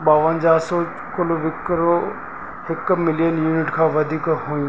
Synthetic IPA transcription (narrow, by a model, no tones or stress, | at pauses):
ɓaːʋənd͡ʑaːso | kʊloʋɪkɾo | hɪkmɪlijənjuːnɪʈkʰãːʋɐd̪ʱiːkɦujũ